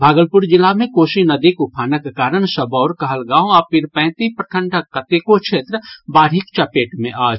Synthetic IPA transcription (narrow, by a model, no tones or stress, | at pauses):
bʱaːɡəlpuɾd͡ʒɪlːamẽkoːʃinɐd̪ikupʰaːnəkːekaːɾəɳ̃səbɔːɾkɐɦəlɡãːõapɪɾpɛ̃ːt̪ipɾəkʰəɳʈʰəkːət̪ekot͡ʃʰeːt̪ɾəbaːɽɦikt͡ʃɐpeːʈmḛ̃ʔaːd͡ʒ